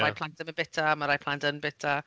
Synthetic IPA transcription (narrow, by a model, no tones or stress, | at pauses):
ɾajpʰlˠantəməbɪtʰamaɾajpʰlˠantənbɪtʰa